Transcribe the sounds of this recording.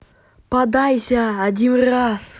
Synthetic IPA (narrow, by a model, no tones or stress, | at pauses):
pɐd̪ajsʲaːdʲinras